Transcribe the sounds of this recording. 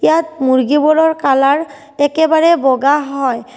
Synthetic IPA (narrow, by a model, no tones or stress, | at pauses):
jatmuɹɡibɔlɔɹkalaɹ | ɛkɛbaɹɛbɔɡaɦɔj